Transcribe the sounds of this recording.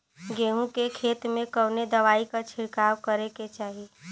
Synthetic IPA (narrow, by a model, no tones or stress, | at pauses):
ɡeːɦũkekʰeːt̪mẽkəʋned̪ɐʋaːikat͡ʃʰɪɽkaːwkəɾeket͡ʃaːɦi